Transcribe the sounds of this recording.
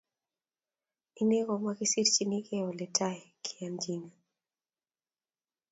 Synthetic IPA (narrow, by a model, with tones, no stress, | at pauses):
i˦nɛ˦ɣɔ˨ma˦kisi˦ɾt͡ʃini˦kɛɔ˨lɛ˨taɛ˨kʰi˨and͡ʒiŋa